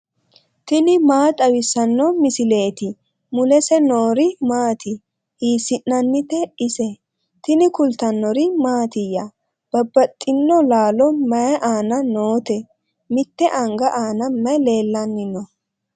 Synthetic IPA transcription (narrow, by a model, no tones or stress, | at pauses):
t̪ɪnɪmaːt̪ʼɐwɪsɐnːɔmɪsɪle̞ːt̪ɪ | mʊlɛsɛnoːɾɪmaːt̪ɪ | hiːsɪnːɐnːɪt̪ɛɪsɛ | t̪ɪnɪkʊlt̪ɐnːɔɾɪmaːt̪ɪjɐ | b̥ɐbːɐt̪ʼːɪnːɔlaːlɔmɐjɐʔaːnɐnoːt̪ɛ | mɪt̪ːɛʔɐŋɡɐʔaːnɐmɐjle̞ːlːɐnːɪnɔ